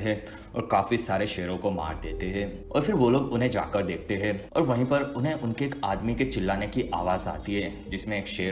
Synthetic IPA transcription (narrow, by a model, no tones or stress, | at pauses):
ɦɛ̃ | ɔ̰ːɾkaːfisaːɾeʃɛːɾõkoma̰ːɾd̪eːt̪eɦɛ̃ɔ̰ːɾfʰɪɾʋoloːɡʊnɦẽd͡ʒa̰ːkəɾd̪eːkʰt̪eɦɛ̃ɔ̰ːɾʋɐɦĩpɐɾʊnɦẽʔʊnkeːkaːd̪miket͡ʃɪlːaːnekiʔaːʋaːza̰ːt̪iɦɛː | d͡ʒɪsmẽeːkʃɛː